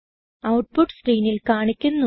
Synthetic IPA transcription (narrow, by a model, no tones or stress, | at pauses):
ɐwʈ̚puʈːskriːnilkaːɳikʲːunːu